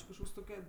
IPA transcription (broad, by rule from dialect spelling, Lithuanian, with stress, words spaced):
ˈt͡ʃʲɪ kɐʃˈkoːks ˈtoːkʲɛ